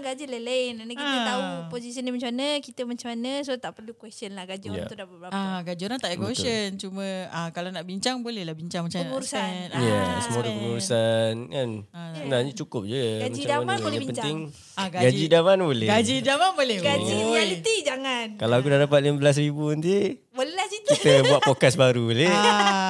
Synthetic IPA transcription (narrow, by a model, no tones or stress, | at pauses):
ɡad͡ʒilelenanakiat̪auposisənimaɲt͡ʃmanəkit̪əmat͡ʃamanəsot̪aʔpərlukwɛstənlaɡad͡ʒua̰udapabəɾaaɡad͡ʒuɾaŋt̪aʔekosənt͡ʃumə̃akalanaʔbiɲt͡ʃaŋbolɛhlahbiɲt͡ʃaŋmat͡ʃamanmuɾusaanasəmoɾukəmuɾusankanasəənaɲət͡ʃukʊp̚d͡ʒuɡmaaaananopənt̪ɪŋ | ɡaɡad͡ʒidamanbolɛɡad͡ʒidamanbolɛhbalit̪id͡ʒaŋankalaakudadapat̪̚ləməbəlas̬ɾibunt̪i | bolɛlasit̪kit̪əbuaʔ̪pokasbaɾubolea